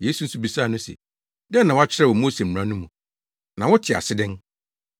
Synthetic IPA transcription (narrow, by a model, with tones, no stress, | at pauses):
je˦su˨n̩˦su˦bi˨saː˦˨nʊ̃˦sɛ̰˨ | dɛ̃˦nːã˨wa˦t͡ɕʰɪ˦ɾɛ˦˨wɔ˨moː˦sẽ˨ɾã˦nũ˦mũ˨ | nã˨wɔ˦tʰɪ˨a̰˨sɪ˦dɪ̃˦n